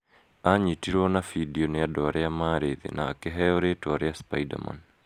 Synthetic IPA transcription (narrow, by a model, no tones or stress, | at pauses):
aɲitiɾwɔnafidiɔnejadɔaɾʔɛjamaɾeðḛnʔa̰ːkeɦɛɔɾetwaɾɛjaspaida̰ma̰n